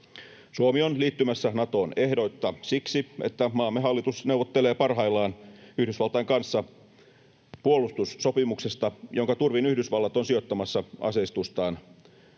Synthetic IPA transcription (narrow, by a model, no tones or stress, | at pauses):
suomio̞nliːt̪ːymæsːænɑt̪o̞ːne̞hdo̞t̪ːɑsiksiḛt̪ːæmɑːmːeɦɑlːit̪usne̞uwʋot̪ːele̞ːpɑrɦɑilːˑɑːnyhdysʋɑlt̪ɑjŋkɑnsːɑ | puolˑust̪usːopimukse̞st̪ɑjo̞ŋkɑt̪urʋinyhdysʋɑlːɑt̪onsio̞t̪ːɑmɑsːɑɑ̰sest̪ust̪ɑːn